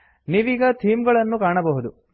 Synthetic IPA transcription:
niːʋiːɡɐt̪ʰiːmɡɐɭɐnːukaːɳɐbɐɦud̪u

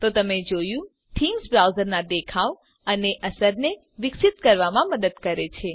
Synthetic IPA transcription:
t̪ot̪əmed͡ʒojũ | t̪ʰiŋɡsbɾawzəɾnad̪ekʰaʋ | əneʔəsəɾne | ʋɪksit̪kəɾʋamãməd̪əd̪kəɾet͡ʃʰe

